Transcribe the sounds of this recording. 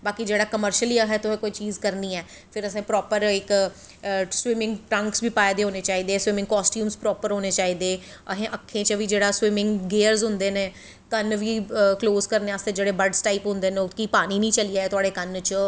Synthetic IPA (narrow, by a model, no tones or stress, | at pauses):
baːkid͡ʒeːɽaːkəməɾʃəliːəɦɛːt̪ʊɦẽːkoːiːt͡ʃiːzkəɾniːɛː | pʰɪɾəsẽːpɾɔːpəɾɪk | swɪmɪ̃ŋɡʈɾə̃ŋksʋiːpaːed̪eːɦoːneːt͡ʃaːiːd̪eːswɪmɪ̃ŋɡ̚kɔːsʈjuːmspɾɔːpəɾɦoːneːt͡ʃaːiːd̪eː | əɦẽːʔəkʰːẽːt͡ʃəʋiːd͡ʒeːɽaːswɪmɪ̃ŋɡɡeːəɾzɦʊ̃nd̪eːneː | kənʋiːkloːskəɾneːaːst̪eːd͡ʒeːɽeːbəɖsʈaːiːpɦʊ̃nd̪eːneːʊkiːpaːñiːnĩːt͡ʃəliːaːeːt̪ʊaːɽeːkənt͡ʃə